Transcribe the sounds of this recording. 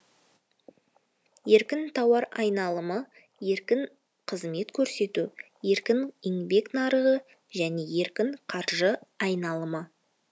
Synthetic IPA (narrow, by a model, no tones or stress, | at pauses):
je̞ɾkʲɪnt̪ʰɑwɑɾɑjnɑlˠəmə | je̞ɾkʲɪŋ | qʰəzme̞t̪kʲʰɵɾse̞t̪u | je̞ɾkʲɪŋiŋbe̞knɑɾəʁə | ʒæne̞je̞ɾkʲɪŋqʰɑɾʒəɑjnɑlˠəmə